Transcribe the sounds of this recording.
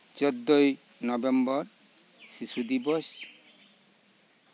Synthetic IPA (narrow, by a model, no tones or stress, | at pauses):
d͡ʒɔd̪ːoj | nɔbembɔɾ | sisud̪ibɔs